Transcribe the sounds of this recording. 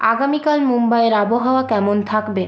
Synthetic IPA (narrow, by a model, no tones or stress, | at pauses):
a̰ɡamikalmumbaeɾaboɦaoakɛmont̪ʰakbe